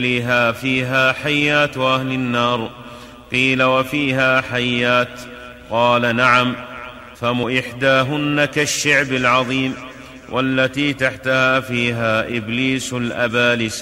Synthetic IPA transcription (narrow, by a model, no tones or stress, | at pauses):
liːɦaːfiːɦaːħajːaːt̪wʔahlɪnːɑːɾˤ | qiːlawafiːɦaːħajːaːt̪ | qɑːlanaʕam | famʊʔɪħd̪aːɦʊnːakaʃːaʕbalʕɑðˤiːm | wʔalːat̪iːt̪aħt̪ahaːfiːɦaːʔɪbliːslʔabaːlɪs